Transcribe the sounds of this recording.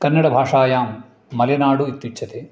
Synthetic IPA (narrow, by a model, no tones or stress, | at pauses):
kɐnːɐɽɐbʱaːʂaːjaːmː | ɐljɐnaːɽuit̪ʋit͡ʃːt͡ʃʰɐt̪eː